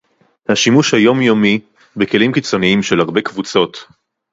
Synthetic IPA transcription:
haʃimuʃhajo̞mjo̞mi | beke̞limkit͡so̞niimʃelhaʁbe̞kvut͡so̞t̪

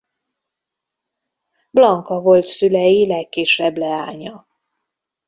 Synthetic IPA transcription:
blɒŋkɒvo̞lt̪sylɛjilɛkːiʃɛblɛaːɲɒ

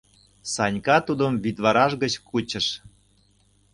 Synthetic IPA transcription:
sɑnʲkɑt̪ud̪əmvit̪βɑɾɑʃɡət͡ɕkut͡ɕə̆ʃ

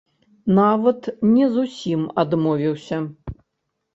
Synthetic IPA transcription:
navɐt̪nʲɛzusʲimad̪mɔvʲiwsʲɐ

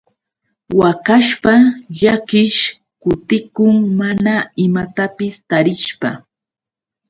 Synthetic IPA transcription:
wakaʃpaʎakɪʃ | kʊt̪ɪkʊŋmanaɪmat̪apɪst̪aɾɪʃpa

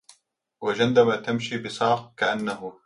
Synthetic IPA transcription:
wad͡ʒand̪amaːt̪amʃiːbɪsˤɑːq̚kaʔanːaɦʊ

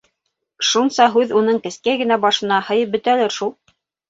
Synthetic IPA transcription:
ʃunsɑɦʉðunɤɴkɘ̆skæɡɘ̆næbɑʃɤ̆nɑhɤ̆jɤp̚bɵ̆t̪ælɘɾʃulˠ

